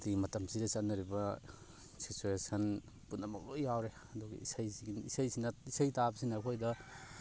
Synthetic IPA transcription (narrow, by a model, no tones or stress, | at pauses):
timɐtɐmsidɐsanːɐɾibɐ | sit͡ʃuesɐn | punːɐmɐ̰k̚lojjawɾe | ɐduɡḛḭsajsiɡinḭsajsinɐisajtabɐsinakʰojdɐ